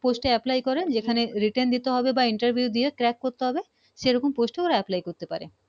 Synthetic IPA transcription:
posʈeɛplajkɔɾend͡ʑekʰaneɾiʈend̪it̪eɦɔbebaiɳʈɐɾbʱiud̪iekɾɛkːoɾt̪eɦɔbe | ʃeɾɔkomposʈeoɾaɛplajkoɾt̪epa̰ɾḛ

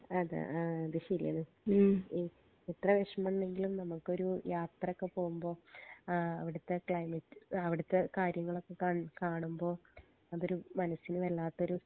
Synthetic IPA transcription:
ɐðɨ̰ɐðɨɕɐɾḭjɐðɨ | iː | it̪rɐʋeʂɐmɐɳne̞ŋɡilumnɐmːukːo̞ɾujʔaːt̪rɐokːe̞po̞ːɣumbo̞ː | ɐ̰ʋiɽɨt̪ːekːejmitːɐʋiɽɨt̪ːekaːɾjɐŋːɐɭo̞kːe̞kakaːɳumbo̞ː | ɐðo̞ɾumɐnɐsinɨʋɐɭːaːt̪ːo̞ɾu

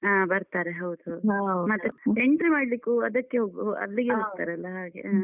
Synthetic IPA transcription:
aːbɐɾt̪aːɾeɦɐwd̪umɐt̪ːeeɳʈɾimaːɽlikuɐd̪ɐkːeɦoːɡɐ̰lːiɡeɦoɡ̚t̪aːɾeɐlːɐɦaːɡḛa

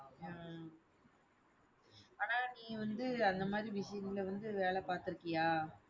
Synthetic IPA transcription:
a | aːnaːnĩːʋɐnd̪ɯɐnd̪ɐmaːd̪ɾiʋɪʂɐjɐnɪlʋɐnd̪ɯʋeːɭɛpaːɾt̪ɪɾɯkːɐjaː

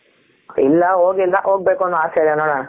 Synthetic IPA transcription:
ilːɐɦoːɡilːɐʔɦoːɡ̚beːkuonːoaːsɐilːɐnoːɽaːɳɐ

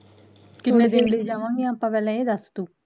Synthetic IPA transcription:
kɪnːẽːd̪ɪnləiːd͡ʒaːʋãːŋɡeaːpãːpɛːlɛ̃ːeːd̪əst̪uː

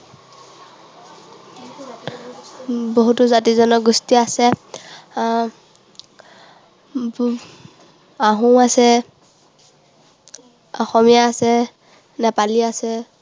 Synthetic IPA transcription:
boɦutʊzatizɔnɔɡustiasɛ | aɦũasɛ | ɔxɔmijaːsɛ | nɛpaliasɛ

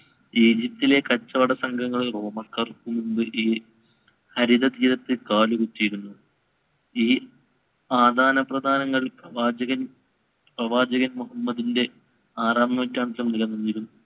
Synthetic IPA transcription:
iːd͡ʑip̚t̪ile̞kɐt͡ɕːɐʋɐɽɐsɐŋɡʱɐŋːɐɭro̞ːmɐrkːɐrkːumund̪ɨʔiː | hɐɾid̪ɐd̪iːɾɐt̪ːɨkaːlukutːijiɾunːu | iː | aːd̪ʱaːnɐprɐd̪ʱaːnɐŋːɐɭprɐʋaːd͡ʑɐɣɐn | prɐʋaːd͡ʑɐɣɐnmuɦɐmːɐd̪inde̞ | aːraːmnɐmɐtːaːɳt̪lɐmniɣɐnːunːiiɾunːu

